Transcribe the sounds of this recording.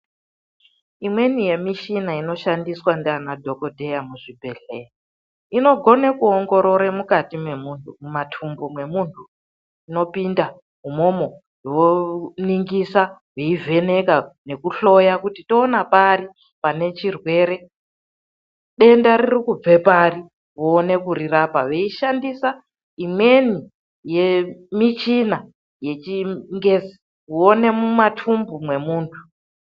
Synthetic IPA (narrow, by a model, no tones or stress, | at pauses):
imwe̞nije̞miʃinaino̞ʃandiswandanadʱo̞ko̞dʱe̞jamuʐibʱe̞ɮe̞ji | ino̞ɡʱo̞nekuoŋɡo̞ɾo̞ɾemukatimwe̞muntʰumumatʰumbomwe̞muntʰu | ino̞pinda | ɦumo̞mo̞ | jwoniŋɡisaɦweivʱe̞ne̞kane̞kuɬo̞jakutito̞ːnapari | pane̞t͡ʃirwe̞ːɾe̞ | ɗe̞ndaɾirikub͡ve̞pari | ʋoːne̞kuɾirapaʋeiʃandisa | imwe̞ni | je̞mit͡ʃina | je̞t͡ʃiŋɡe̞zi̥ | kuone̞mumatʰumbumwe̞muːntʰu̥